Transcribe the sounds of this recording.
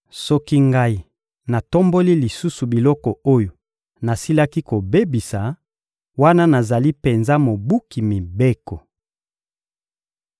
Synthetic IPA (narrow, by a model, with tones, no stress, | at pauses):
sɔ˦ki˦ŋɡa˦i˨ | na˨to˦mbo˦li˦li˨su˦su˨bi˨lɔ˦kɔ˨o˦jo˨ | na˨si˦la˦ki˦ko˨be˦bi˨sa˨ | wa˦na˦na˨za˨li˦pe˨nza˦mo˨bu˦ki˨mi˨be˦kɔ˨